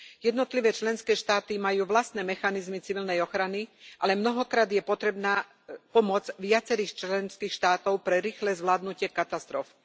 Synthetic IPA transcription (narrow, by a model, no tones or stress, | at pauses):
jɛd̪nɔt̪liʋɛːt͡ʃlɛnskɛːʃt̪aːt̪imajuːʋlast̪nɛːmɛxanizmit͡siʋilnɛjɔxɾaniʔalɛmnɔɦɔkɾaːd̪jɛpɔt̪ɾɛbnaː | pɔmʊɔd͡zʋɪat͡sɛɾiːxt͡ʃlɛnskiːxʃt̪aːt̪ɔʊpɾɛɾiːxlɛzʋlaːd̪nucɪɛkat̪ast̪ɾɔf